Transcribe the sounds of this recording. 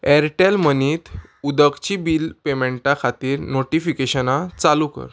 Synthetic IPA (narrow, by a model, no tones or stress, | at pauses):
ɛɾʈelməniːt̪ | ud̪əkt͡ɕibilpemeɳʈakʰat̪iːɾnoʈifikeɕənat͡salukə̰ɾ